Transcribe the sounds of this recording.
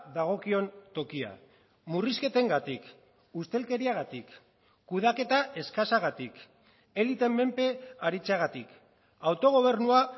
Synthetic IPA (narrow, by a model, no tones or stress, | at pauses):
ðaɣ̞o̞kio̞nt̪o̞kia̰ | muriske̞t̪e̞ŋɡat̪ik | ust̪e̞lke̞ɾiaɣ̞at̪ikː | uð̞ake̞t̪aʔe̞skasaɣ̞at̪ik | e̞lit̪e̞mme̞mpe̞aɾit͡seaɣ̞at̪ik | awt̪o̞ɣ̞o̞β̞e̞rnua